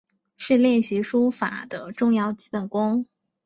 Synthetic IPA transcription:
ʂɻ̩˥˧ljɛ˥˩nɕi˧˥ʂu˥fa̰˨˩d̪ə˦ʈ͡ʂʊ˥˧ŋjɑ˥˧ʊt͡ɕi̥˧˥pə˨˩nkʊ˥ŋ

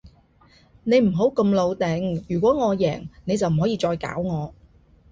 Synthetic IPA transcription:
ne˨˧jm̩˨˩ɦo˨˥wkɐ˧mlo˨˧wt̪ɛ˨ŋjyː˨˩kʷɔː˨˥ŋɔː˨˧jɛː˨˩ŋne˨˧jt͡sɐ˨wm̩˨˩ɦɔː˨˥jiː˧t͡sɔː˧jka̰ː˨˥wŋɔː˨˧

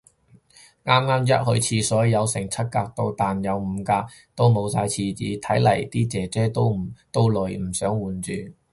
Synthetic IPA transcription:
ŋaː˥mŋaː˥mjɐ˥t̚hɵ˧ɥt͡sʰiː˧sɔː˨˥jjɐ˨˧wsɪ˨˩ŋt͡sʰɐ˥t̚kaː˧k̚t̪o˧wt̪aː˨njɐ˨˧wm̩ː˨˧kaː˧ | t̪o˥wmo˨˧wsaː˧jt͡sʰiː˧t͡siː˨˧t̪ʰɐ˨˥jlɐ˨˩jt̪iː˥t͡sɛː˨˥t͡sɛː˥t̪o˥wm̩˨˩t̪o˥wlɵ˨˧˩jm̩˨˩sœː˨˥ŋwuː˨˧nt͡ʃyː˨

